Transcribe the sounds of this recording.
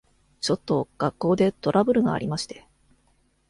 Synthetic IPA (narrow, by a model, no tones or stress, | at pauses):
t͡ɕo̞t̪ːo̞ɡ̥akːo̞ːd̪e̞t̪o̞ɾʔabɯ̟ɾɯ̟ɡa̰ːɾʲimaɕi̥t̪e̞̥